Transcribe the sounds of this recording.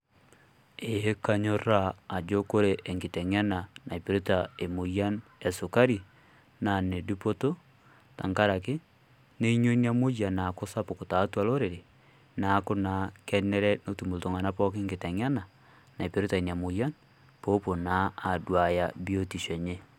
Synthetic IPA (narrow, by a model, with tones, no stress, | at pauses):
e˨he˦ka˦ɲo˦ɾa˦a˨d͡ʒo˦ko˦ɾe˦ʔe˨ŋɡe˨tɛ˨ŋa˦na˨na˨i˨pe˨ɾo˦ta˨e˨mo˨ja˦ne˨so˨ka˦ɾi˨ | na˨ne˨du˦po˦to˦ | ta̰˨ŋka˦ɾa˨ke˦ | ne˦i˦ɲo˦i˦n˦a˦mo˦ja˨na˨ko˦sa˦po˨ko˨ta˨˦twa˨lo˦ɾe˨ɾe˨ | na˨˦ko˦na˨˦kɛ˦nɛ˦ɾɛ˦no˦tu˨mo˨lto˨ŋa˨na˦pɔ˦ke˦ŋɡe˨tɛ˨ŋja˦na˨ | na˨i˨pe˨ɾe˦ta˨e˨n˨a˨mo˨ja˦n | po˦po˨naː˨˦˨dwa˨ja˨bi˦o˦ti˨ʃe˨ɲe˦